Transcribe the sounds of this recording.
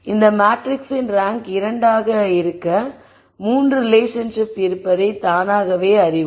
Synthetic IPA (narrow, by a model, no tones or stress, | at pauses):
ɪnd̪ɐmaːʈɾɪksɪnɾaːŋkɪɾɐɳɖaːɣɐɪɾɯkːɐ | muːndɯɾɪleːʂɐnʂɪpɪɾɯpːɐðɐɪt̪aːnaːɣɐʋeːɐɾɪʋɯ